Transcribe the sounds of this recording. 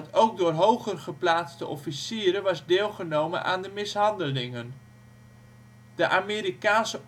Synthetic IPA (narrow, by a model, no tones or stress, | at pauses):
towk̚dʊːrɦowχərχəplaːt͡stəʔɔfisiːɾəʋɑzdeːlˠχənowmə̰nʔa̰ːndəmɪsɦɑndəlɪŋən | d̥əʔaːmeːɾikaːnsə